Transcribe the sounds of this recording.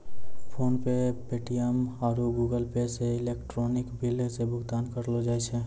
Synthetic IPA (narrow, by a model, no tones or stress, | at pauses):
pʰoːnpepeʈijəmaːɾuɡuːɡəlpeseɪleːkʈɾoːnɪkbɪlsebʊɡd̪aːnkəɾlod͡ʒaːet͡ʃʰɛ